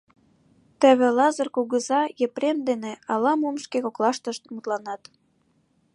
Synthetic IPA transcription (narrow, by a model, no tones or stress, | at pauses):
t̪ə̆βĕlɑzə̆rkuɣəzɑjĕpɾemd̪eneɑlɑmumʃkekoklɑʃt̪əʃt̪mut̪lɑnɑt̪